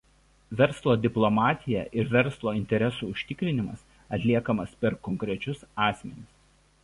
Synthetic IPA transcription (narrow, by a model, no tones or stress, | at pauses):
ʋʲɛɾˑslˠoːd̪ʲɪplˠɔmɑːt̪ʲɪjɛʔɪɾʋʲɛɾˑslˠoːɪnʲt̪ʲɛɾʲɛsuːʊʃʲt̪ʲɪkɾʲɪnʲɪmɐ̰s | ɐt̪ʲlʲiɛkɐmɐspʲɛɾkɔŋʲkɾʲɛt͡ʃʲʊsɑːsʲmʲɛnʲɪs